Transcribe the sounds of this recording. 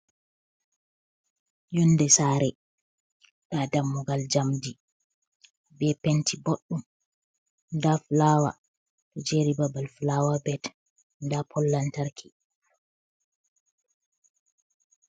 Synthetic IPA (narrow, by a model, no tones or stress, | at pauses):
jɔndɛsaːɾɛ | ɗadamːɔɡald͡ʒamdi | bɛpentʰiboɗːum | daflawa̰ | tɔd͡ʒeɾibabalflawabɛt | ndapʰɔlːantaɾkʰi